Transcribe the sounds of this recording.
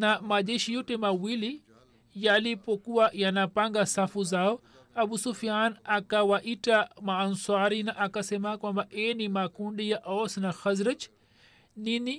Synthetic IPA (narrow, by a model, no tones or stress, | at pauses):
namaʄɛʃijɔtɛmawili | jalipɔkuwajanapaŋɡasafuzaɔ | aɓusufijanakawaʔitamaːnsaɾinaʔakasɛmakwambaʔɛnimakundijaʔɔsnaxazɾad͡ʒ | nini